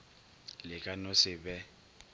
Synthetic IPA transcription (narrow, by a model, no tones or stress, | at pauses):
lɪkʼanosɪbɛ